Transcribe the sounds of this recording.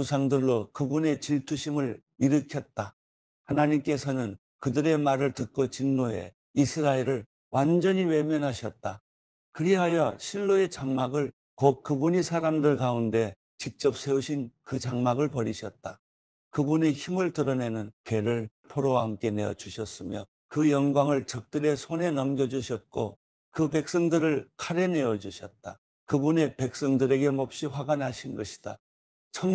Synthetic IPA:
usʰaŋdɯɭːokɯbune̞t͡ɕiɭtʰuɕʰimɯɭ | iɾɯkʰjʌt̚t͈a | hanaɲimk͈e̞sʰʌnɯn | kɯdɯɾe̞maɾɯɭtɯt̚k͈ot͡ɕinːoe̞̰ | isʰɯɾaeɾɯɭ | wand͡ʑʌɲiwe̞mjʌnɦaɕʰʌt̚t͈a | kɯɾiɦajʌɕʰiɭːoe̞t͡ɕaŋmaɡɯɭ | kot̚kɯbuɲisʰaɾamdɯɭkaunde̞ | t͡ɕik̚t͡ɕ͈ʌp̚sʰe̞uɕʰinkɯt͡ɕaŋmaɡɯɭpʌɾiɕʰʌt̚t͈a | kɯbune̞çimɯɭtɯɾʌne̞nɯnke̞ɾɯɭ | pʰoɾowahamk͈e̞ne̞ʌ̰d͡ʑuɕʰʌs͈ɯmjʌ | kɯjʌnɡwaŋɯɭt͡ɕʌk̚t͈ɯɾe̞sʰone̞nʌmɡjʌd͡ʑuɕʰʌt̚k͈o | kɯpe̞k̚s͈ʌŋdɯɾɯɭkʰaɾe̞ne̞ʌd͡ʑuɕʰʌt̚t͈a | kɯbune̞pe̞k̚s͈ʌŋdɯɾe̞ɡe̞mop̚ɕ͈iɸwaɡanɦaɕʰinnɡʌɕʰi̥d̥a̰ | t͡ɕʰʌŋ

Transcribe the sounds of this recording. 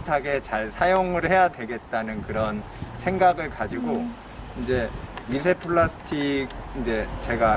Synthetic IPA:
tʰaɡe̞t͡ɕaɭsʰajoŋɯɭhe̞jadwe̞ɡe̞t̚t͈anɯnkɯɾʌn | sʰe̞ŋɡaɡɯɭkad͡ʑiɡo | ind͡ʑe̞mis̬ʰepʰɯɭasʰɯ̥tʰik̚ind͡ʑe̞t͡ɕe̞ɡa

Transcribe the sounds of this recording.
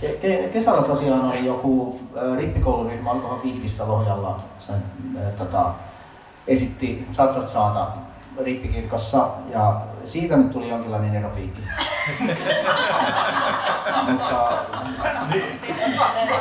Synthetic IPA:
kekekesælːæt̪osiɑːnolijokuˑripːikouluryhmɑɑlkohɑkihʋisːælohjɑlːɑsent̪ot̪ɑ̰ | esit̪ːisɑt̪sɑt̪sɑːt̪ɑ | ripːikirkosːɑjɑsiːt̪ænyt̪t̪ulijoŋkilːɑˑineneropiːkːi̥ | mut̪ːɑ

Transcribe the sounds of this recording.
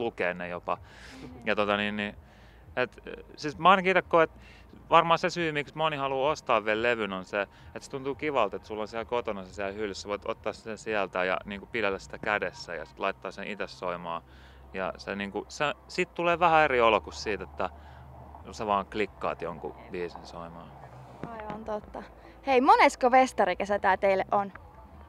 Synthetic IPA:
lukeːnnejopɑjɑt̪ot̪ɑniːnni | et̪siːsmɑinɑkiit̪ekːoːet̪ | ʋɑrmɑːsesyːmiksmonihɑluːost̪ɑːʋʋiælleʋynonse | et̪se̥t̪unt̪uːkiʋɑlt̪et̪sulːonsiælkot̪onɑsesiælhylseʋoit̪o̰t̪ːɑːssit̪æsiælt̪æjɑ̰niːŋkupilælːæsi̥t̪ækædesːæ̰jɑ̰si̥t̪lɑit̪ːɑːsẽʔit̪æsːoimɑː | jɑ̰seniːŋkusesit̪t̪uleːʋæhæeriolokussiːt̪et̪ːæ | seʋɑːŋklikːɑ̰ːt̪joŋkṵʋiːsinsoimɑː | ɑiʋɑnt̪ot̪ːɑ | heimoneskoʋest̪ɑɾikesæt̪æːt̪eilːeʔon

